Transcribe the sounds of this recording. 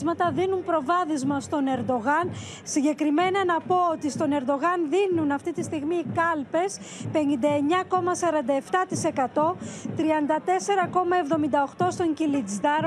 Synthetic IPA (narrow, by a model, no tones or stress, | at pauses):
zmɐt̪ɐðinumpɾo̞vɐθizmɐst̪o̞ne̞ɾd̪o̞ɣɐn | siɲɟe̞kɾime̞nɐnɐpo̞ot̪ist̪o̞ne̞ɾd̪o̞ɣɐnðinunɐft̪it̪ist̪iɣmiːkɐlpe̞spe̞nind̪ɐe̞ɲɐko̞mɐsɐɾɐnd̪ɐeft̪ɐt̪ise̞kɐt̪o̞t̪ɾiɐnd̪ɐt̪e̞se̞ɾɐko̞mɐe̞vðo̞mind̪ɐo̞xt̪o̞st̪o̞ɲcilid͡zd̪ɐɾ